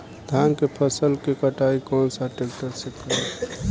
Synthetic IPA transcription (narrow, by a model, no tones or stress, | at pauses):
d̪ʱankepʰəsəlkekəʈaikɔnsaʈek̚ʈəɾsekəɾe